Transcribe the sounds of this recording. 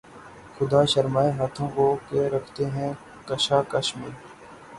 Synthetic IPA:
xʊd̪aːʃɐɾmaːeɦaːt̪ʰõːkokeɾɐkʰt̪eɦɛ̃ | kɐʃaːkɐʃmẽː

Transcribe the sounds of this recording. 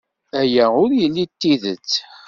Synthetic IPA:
æjæʊɾjəlːit̪ːiðə̰t͡sː

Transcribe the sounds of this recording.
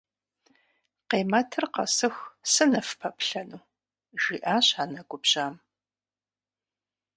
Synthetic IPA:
qeːmɐtʰɨrqɐ̰sɨxsɨnɐfpʰɐpʰɬɐnuː | ʒ̥iːʔaːɕaːnɐɡʷʊbɕaːm

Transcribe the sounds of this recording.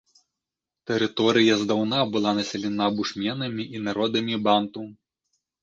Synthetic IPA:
t̪ɛɾɨt̪ɔɾɨjɐzd̪awnabɨlˠanɐsʲɛlʲɛnabuʂmʲɛnɐmʲiʔinaɾɔd̪ɐmʲibant̪u

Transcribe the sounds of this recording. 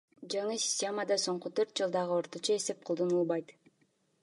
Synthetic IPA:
d͡ʒɑɴɯsʲi̥sʲtʲe̞məd̪ɑso̞ɴqut̪ʰøɾt̪̚d͡ʒɯlˠd̪ɑʁɯo̞ɾt̪ot͡ʃɑe̞se̞p̚qʰolˠd̪onulˠbɑjt̪

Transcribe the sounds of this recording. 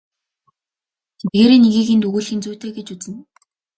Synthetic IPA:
t̪ʰet̪̚ɡeːɾeːneɣiːkĭnt̪uɣuːɮxĭnt͡suːt̪ʰeːɡet͡ɕut͡sɘ̆n

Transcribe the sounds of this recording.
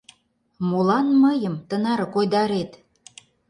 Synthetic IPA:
mulɑnməjəmt̪ənɑɾɤ̆kojd̪ɑɾet̪

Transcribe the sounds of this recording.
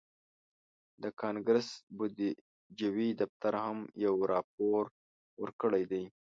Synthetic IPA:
d̪əkʰɑnɡɾɪsbʊd̪i | d͡ʒawid̪aft̪aɾhamjawɾɑp̚oɾ | wəɾkəɽajd̪aj

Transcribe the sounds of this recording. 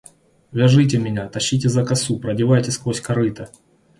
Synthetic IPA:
vʲɪʐɨt̬ʲɪmʲɪnʲat̪ɐɕːit̬ʲɪzɐkɐsupɾɐdʲɪvajtʲɪskvosʲkɐɾɨt̪ə

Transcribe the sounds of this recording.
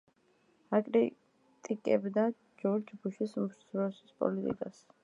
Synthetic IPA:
akʼɾi | t̪ʼikʼɛbd̪a | d͡ʒɔɾd͡ʒbuʃismɾsɾɔsispʼɔ̰lit̪ʼḭkʼas

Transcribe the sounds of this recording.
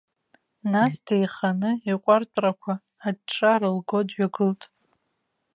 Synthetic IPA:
nasdʰejχanɨiqʷʼartʷʼrakʷʰaː | d̚ʈ͡ʂʰʼarɨlɡodɥaɡɨltʼ

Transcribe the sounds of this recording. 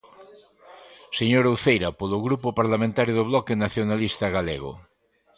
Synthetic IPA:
seɲoɾowθejɾapoloɣɾupopaɾlamẽnt̪aɾjoðoβlɔkenaθjonalist̪aɣalḛɣ̞o̰

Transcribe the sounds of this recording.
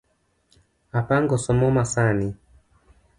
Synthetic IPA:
apaŋɡɔsɔmɔmasani

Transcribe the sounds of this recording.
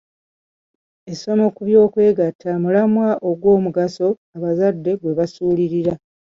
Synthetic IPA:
e̞so̞no̞kuβjo̞ːkwe̞ːɡatʰːamulamwaʔo̞ɡwo̞ːmuɡaso̞ | aβazadːe̞ɡwe̞βasuːliɾiɾa

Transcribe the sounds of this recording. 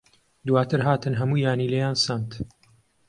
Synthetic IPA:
d̪waːt̪ʰɨɾɦaːt̪ɨnɦɐmuːjaːniːlejaːnsamt̪

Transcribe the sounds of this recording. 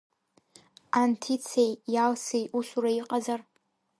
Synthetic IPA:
antʰit͡sʰejjalsejʔuʃʷuraiqʼazar

